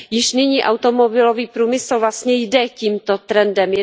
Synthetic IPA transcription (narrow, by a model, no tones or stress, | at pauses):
jɪʃnɪɲiːʔawt̪omobɪloviːpɾuːmɪsl̩vlast̪ɲɛjdɛciːmt̪ot̪ɾɛndɛmj